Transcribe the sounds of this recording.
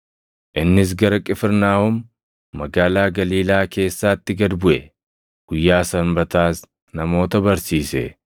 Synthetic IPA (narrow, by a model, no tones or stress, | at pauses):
ʔɪnːɪs̬ɡɐɾɐkʼɪfɪɾnaːhʊmː | ɐɡaːlaːɡɐliːlaːke̞ːsːaːt̪ːɪɡɐd̪bʊʔɛ | ɡ̥ʊjːaːsɐnbɐt̪aːs | nɐmo̞ːt̪ɐbɐɾsiːsɛ̰